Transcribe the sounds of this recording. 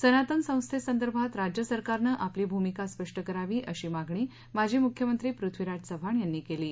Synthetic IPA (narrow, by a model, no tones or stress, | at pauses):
sənat̪əŋksə̃w̃st̪ʰesənd̪əɾbʱat̪ɾad͡ʑjəsəɾkaɾnəʔapliːbʱumikaspəʂʈəkəɾaʋiːʔəɕiːmaɡɳiː | mad͡ʑʱiːmukʰjəmənt̪ɾiːpɾut̪ʰʋiɾad͡ʑsəbʱaɳjanːiːkeliː